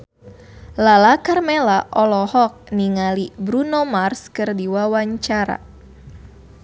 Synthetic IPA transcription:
lalakarmelaʔɔlɔhɔk̚niŋalibɾunomarskɨrdiwawaɲt͡ʃaɾa̰

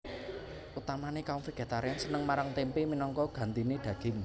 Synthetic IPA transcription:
ʔut̪amanekaʊŋfeɡ̥e̤t̪aɾjansənəŋmaɾaŋt̪empeminɔŋkɔɡ̥a̤nt̪ined̪̥ä̤ɡ̥ɪ̤ŋ

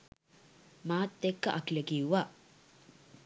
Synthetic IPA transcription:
maːt̪ːekːɐʔɐkilɐɡijuʋa

